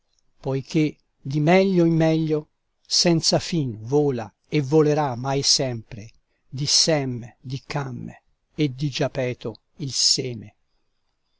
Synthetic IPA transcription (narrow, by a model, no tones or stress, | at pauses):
pɔjk̟e | d̪imɛʎːoimːɛʎːo | sɛnt̪safinvoːla̰ | evoleɾamajsɛmpɾe | d̪isɛmːd̪ikamː | ed̪id͡ʒapɛːt̪o | ilsɛːme